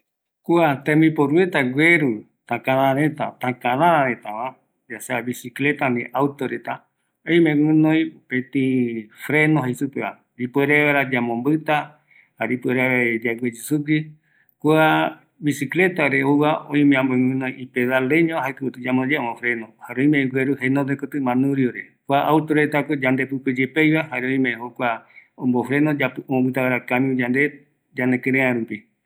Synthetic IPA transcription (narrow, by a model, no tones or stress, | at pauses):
kuat̪ẽmĩpoɾuet̪aɡʷeɾu | t̪akãnãɾet̪a̰t̪akãnãɾãɾet̪aβã | d͡ʒaseaβisiklet̪anĩʔawt̪oɾet̪a | oĩmẽŋʷɨ̃nõj̃opẽt̪ifɾenõɦaisupeβa̰ | ɾipeɾeaɾad͡ʒamõmbɨt̪a | haɾipueɾeed͡ʒaɡʷed͡ʒusuɡɨ | koa | βisiklet̪aɾeoβaõ̰ĩmẽãmbomɨ̃nõj̃ʔipeðaleɲõɦakɨut̪ɨd͡ʒamõd͡ʒeõmofɾenõhaɾeõĩmẽɡʷeɾuɦenõd̪ekot̪ɨmãnũɾioɾekʷaʔawt̪oɾet̪akod͡ʒand̪epɨped͡ʒepejβahaɾeõĩmẽɦokʷaõmbofɾe̞nod͡ʒapomõmbɨt̪aβaɾakamĩd͡ʒand̪e | d͡ʒanekẽɾẽãɾupi